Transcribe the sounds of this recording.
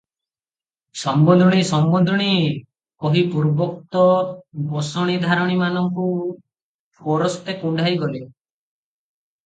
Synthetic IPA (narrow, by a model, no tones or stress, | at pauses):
sɔmbɔnd̪ʱɔɽ̃isɔmbɔnd̪ʱɔɽ̃i | kɔɦipuɾbɔk̚t̪ɔbɔsɔɽ̃id̪ʱaɾɔɽ̃imanɔŋku | pʰɔɾɔst̪ekuɳɖʱajɡɔli